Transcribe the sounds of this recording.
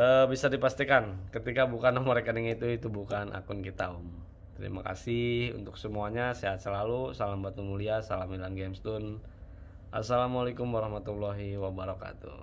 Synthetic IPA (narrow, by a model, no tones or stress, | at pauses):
əbisadipast̪ikankət̪ikabukanaməɾekaniŋit̪uit̪ubukanʔa̰kʊnkit̪a̰um | t̪əɾḭma̰ka̰sihṵnt̪ʊksəmuaɲaseat̪̚səlalusalambat̪umuliasalamilanɡemst̪un | ʔa̰salamalakʊmwaɾɔhmat̪ulːɔɦiwabaɾɔka̰t̪ṵ